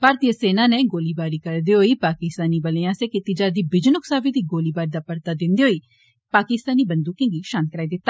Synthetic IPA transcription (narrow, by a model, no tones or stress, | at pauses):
paːɾt̪iːəseːnãːneːɡoːliːbaːɾiːkəɾd̪eːɦoːiːpaːkɪst̪aːniːbəleãːseːkɪt̪iːd͡ʒaːɾd̪iːbɪd͡ʒnʊksaːbiːd̪iːɡoːliːbaːɾd̪aːpəɾt̪aːd̪ɪnd̪iːɦoːiː | paːkɪst̪aːniːbənd̪ũːkɪ̃ŋɡiːʃaːnkəɾaːiːd̪ɪt̪ːaː